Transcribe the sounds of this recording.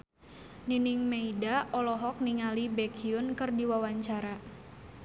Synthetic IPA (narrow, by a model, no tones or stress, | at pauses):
ninɪŋmeidaɔlɔɦɔk̚niŋalibɛkʰiʊnkɨrdiwawaɲt͡ʃaɾa